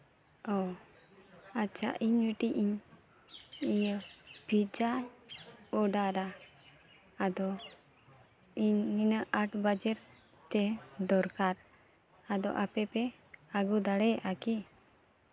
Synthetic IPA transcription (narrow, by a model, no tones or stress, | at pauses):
ɔ | at͡ʃa̰ʔiɲwiʈiʔiɲ | ijəbʱid͡ʒa | ɔɖaɾa | d̪ɔ | iɲːinəʔʔaʈbad͡ʒɛɾ | t̪ɛd̪ɔɾkaɾ | ad̪ɔ̰ʔapɛpɛ | aɡud̪aɽɛʔaki